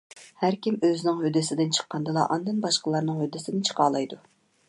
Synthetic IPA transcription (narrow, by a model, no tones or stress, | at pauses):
hæɾkʲimøzɪnɪŋhød̪ɪsɪd̪ɪnt͡ʃʰə̥qːɑnd̪ɨlˠɑ̰ʔɑnd̪ɨnbɑʃqəlˠɑɾnɨŋhød̪ːɪsɪd̪ɪnt͡ʃʰə̥qɑːlˠɑjd̪u